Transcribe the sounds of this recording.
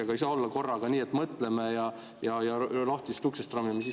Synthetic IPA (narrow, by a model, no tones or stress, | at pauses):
eɡ̥ɑisɑo̞lːɑko̞rːɑɡ̥ɑniːet̪ːmɤt̪ːˑlemejɑ | jɑjɑloht̪isyksest̪rɑmːimesi